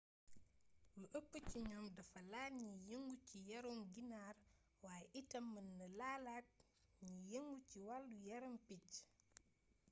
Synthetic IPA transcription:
luʔəpːəciɲɔːmdɐfɐlaːlɲijəŋɡucijɐɾomɡinaːr | waːjɛʔitɐmːənːɐlaːlaːt̚ | ɲijeŋɡuciwalːujɐɾompic

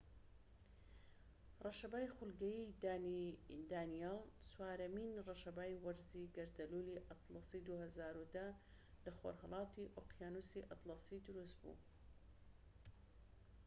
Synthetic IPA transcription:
rˤɑʃɐbaːjxʊlɡɐjid̪aːniḭnd̪aːnijɑlˠswaːɾɐminrɑʃɐbaːjwɐɾziɡɐɾd̪ɐluliʔɑt̪lɑsid̪uhɐzaːɾud̪ɐ | lɐxo̰ɾhɑlˠɑːt̪iʔoqjaːnusiʔɑt̪lˠɑsid̪ʊɾust̪̚bṵ

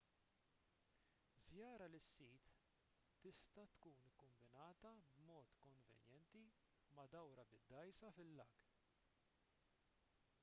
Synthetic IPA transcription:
zjɐːɾɐlɪsːiːt̪ː | ɪst̪ɐt̪kuːnɪkːʊɱbɪnɐːt̪ɐbmɔːt̪kɔɱvɛ̰njɛnt̪i | mɐd̪ɐwɾɐbɪd̪ːɐjsɐfɪlːɐɡ

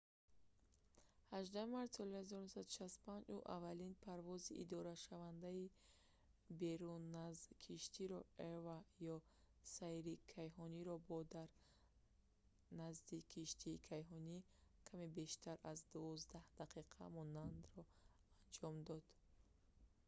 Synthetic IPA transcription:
haʒd̪ahmaɾt̪sɔlihazɔɾunusad̪uʃast̪u̥pʰand͡ʒuʔa̰valinpʰaɾvɔziʔḭd̪ɔɾaʃavand̪ai | beɾunːazkʰiʃt̪iɾɔevajɔ | saiɾikʰajɦɔniɾɔbɔd̪aɾ | nazd̪ikʰiʃt̪ʰiːkʰajɦɔni | kʰamebe̞ʃt̪ʰaɾazd̪uvɔzd̪ahd̪̥aqʰiqʰa̰mɔnand̪ɾɔ | and͡ʒɔmd̪ɔd̪̥

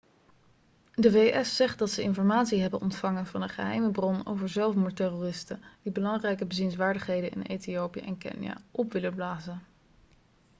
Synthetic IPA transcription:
dəvejʔɛsːɛχt̚dɑtsəɪnfɔɹmaːtsiɦɛbənʔɔntfɑŋənvɑndəχəɦɛ̰jməbrɔno̰wvəɹzɛlˠfmutɛroːrɪstənd̥ibəlɑŋrɛjkəbəzinsʋaːɹdəχɦejdənɪ̰nʔḛjtiowpijə̰ʔɛ̰nkɪ̰nja̰ʔɔpʋɪləblaːzən

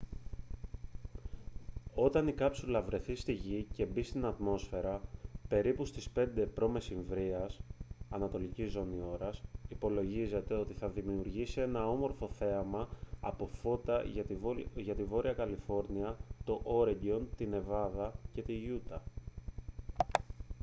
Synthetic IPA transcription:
o̞t̪ɐnikɐpsulɐvɾe̞θist̪iʝice̞bist̪inɐt̪mo̞sfe̞ɾɐpe̞ɾipust̪ispe̞nd̪e̞pɾo̞me̞siɱvɾiɐsɐnɐt̪o̞licizːo̞nio̞ɾɐsipo̞lo̞ʝize̞t̪e̞o̞t̪iθɐðimiuɾʝisie̞nɐo̞mo̞ɾfo̞θe̞ɐmɐ̰ːpo̞fot̪ɐ | ʝɐt̪ivo̞ɾiɐkɐlifo̞ɾniɐt̪o̞ʔo̞ɾeɲɟo̞nt̪ine̞vɐðɐce̞t̪iʝut̪ɐ

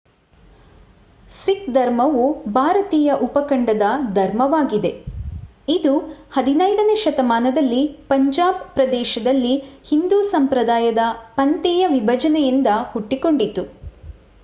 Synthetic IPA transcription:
sikd̪ʱɐɾmɐʋubʱaːɾɐt̪iːjɐʔupɐkɐɳɖɐd̪ɐd̪ʱɐɾmɐʋaːɡid̪e̞ | id̪uhɐd̪inɐjd̪ɐneʃɐt̪ɐmaːnɐd̪ɐlːipɐɲd͡ʒaːb̚pɾɐd̪ɛːʃɐd̪ɐlːihind̪uːsɐmpɾɐd̪aːjɐd̪ɐpɐnt̪ɛːjɐʋibʱɐd͡ʒɐnɛjind̪ɐhuʈːiko̞ɳɖit̪ːu

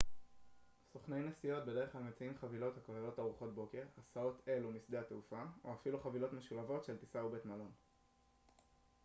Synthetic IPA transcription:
soχne̞jnesijo̞t̚be̞de̞ʁeχamet͡siimχavilo̞thakaʁejo̞taʁuχo̞t̚bo̞ke̞ʁasao̞t̪ʰe̞lumisd̪e̞ateufaoafiluχavilo̞t̪meʃulavo̞tʃe̞ltisaubetmalo̞n

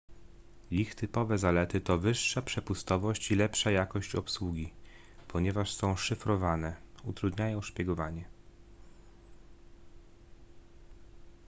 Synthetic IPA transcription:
lʲixt̪ɘpɔvɛzalɛt̪ɘt̪ɔvɘʂːapʂɛpust̪ɔvɔɕt͡ɕilɛpʂajakɔɕt͡ɕɔpswuɡʲi | pʰɔɲɛvaʂsɔ̃w̃ʂɘfɾɔvanɛut̪ɾud̪ɲajɔ̃w̃ʂpʲjɛɡɔvaɲɛ

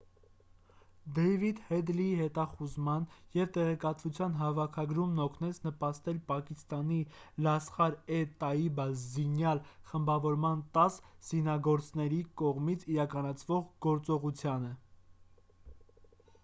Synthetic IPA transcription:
d̪ɛjvid̪hɛd̪liɦɛt̪ɑχuzmɑnjɛvt̪ɛʁɛkɑt̪vut͡sʰjɑnɦɑvɑkʰɑɡɾumnɔkʰnɛt͡sʰnəpɑst̪ɛlpɑkist̪ɑnilɑsχɑɾɛt̪ɑibɑzinjɑlχəmbɑvɔɾmɑnt̪ɑsz̥inɑɡɔɾt͡sʰnɛɾikɔʁmit͡sʰiɾɑkɑnɑt͡sʰvɔʁɡɔɾt͡sɔʁut͡sʰjɑnə

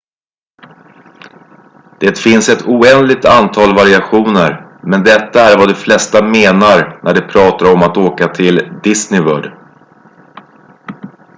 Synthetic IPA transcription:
d̪̥eːt̪fɪnsɛt̪ʰuːɛnd̪lɪɡ̚t̪ant̪ʰɑːlvaɾɪaɧuːnəɾmɛnd̪ɛt̪ːaæɾvad̪ɔflɛst̪ameːnaɾnʔæɖɛpʰɾɑːt̪aɾɔmat̪oːkat̪ʰɪld̪ɪsnɪvœːɖ

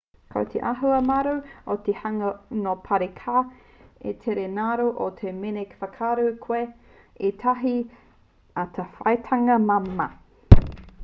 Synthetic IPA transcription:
kʰo̰wt̪ʰḛʔaɦuɐmaɾoot̪ehɐŋɐnopʰɐɾekʰa | ḛt̪ʰeɾenaɾoʔot̪ʰemenekfɐkʰaɾuwkʰwe | et̪ʰaɦi | at̪ʰɐfɐ̰jtʰɐŋɐmamɐ

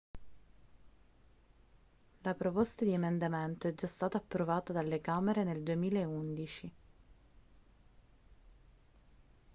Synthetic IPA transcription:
lapɾopost̪ad̪iemend̪ament̪oɛd͡ʒːast̪aːt̪aːpːɾovaːt̪ad̪alːekameɾeneld̪uemiːlaeund̪it͡ʃi

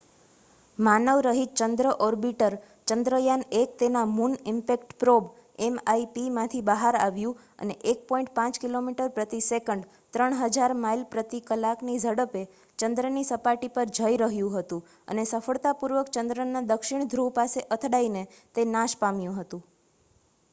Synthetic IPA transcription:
manəʋɾəɦit͡ʃənd̪ɾəʔɔɾbiʈəɾ | t͡ʃənd̪ɾəjanekt̪enamunɪmpekʈpɾob | emaipimãt̪ʰibəɦaɾa̰ʋjũ | ə̰neʔek̚pɔ̃ĩɳʈpãt͡ʃkilomiʈəɾpɾət̪isekəɳɖ | t̪ɾəɳ̃ɦəd͡ʒaɾmailpɾət̪ikəlaknid͡ʒəɽəpe | t͡ʃənd̪ɾənisəpaʈipəɾd͡ʒʱəjɾəɦjũɦət̪ũ | ə̰nesəfəɭt̪apuɾʋəkt͡ʃənd̪ɾənad̪əkʃɪɳd̪ʱɾupaseʔət̪ʰɽaine | t̪enãʃpamjũɦət̪ũ

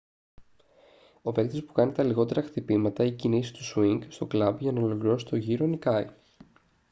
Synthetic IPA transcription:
o̞ve̞kt̪ispu̥kɐnit̪ɐliɣo̞t̪e̞ɾɐxt̪ipimɐt̪ɐicinisi̥t̪usuiŋɡst̪o̞klɐbʝɐnɐolo̞kliɾo̞si̥t̪o̞ʝiɾo̞nikɐi

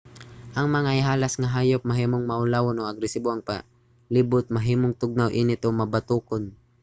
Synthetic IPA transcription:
ʔɐŋmɐŋaʔɪɦaːlɐsŋɐɦaːjop̚mɐɦiːmoŋmɐʔʊlaːwonoʔɐɡɾɛsiboɐŋpɐ | libʊt̪̚mɐɦiːmoŋt̪ʊɡ̚nawʔinɪt̪omɐbɐt̪uːkon

